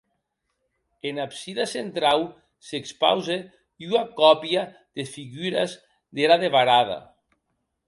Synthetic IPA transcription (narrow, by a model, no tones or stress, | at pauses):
enapsiðasent̪ɾaw | sekspa̰wze | uakɔpja | ð̥efiɣyɾa̰z | ðeɾaðeβaɾaða̰